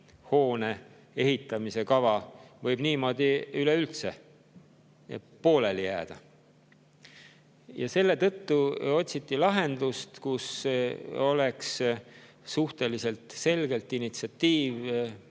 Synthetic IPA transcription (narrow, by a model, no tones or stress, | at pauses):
ho̞ːne̞ | e̞ɦit̪ːˑɑmise̞kɑvɑvɤjb̥niːmo̞ːd̪̥ʲiyleylt̪se̞ | po̞ːle̞ljæːd̪̥ɑ | jɑse̞lːe̞t̪ɤ̞t̪ːuo̞t̪ʲsit̪ːˑilɑɦe̞nd̪̥ust̪kus | o̞le̞ks | suht̪e̞lise̞lt̪se̞lɡe̞lt̪ːˑinit̪siɑt̪ːiːv